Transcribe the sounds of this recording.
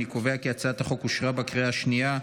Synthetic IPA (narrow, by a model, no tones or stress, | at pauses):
ikoveakiat͡sat̪haχokuʃʁabakʁeaːʃnia